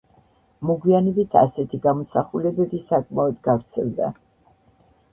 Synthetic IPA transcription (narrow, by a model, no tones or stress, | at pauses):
mɔɡwianɛbit̪ʰa̰sɛt̪ʰiɡamɔsaχulɛbɛbisakʼmaɔd̪ɡavɾt̪sʰɛlˠd̪a̰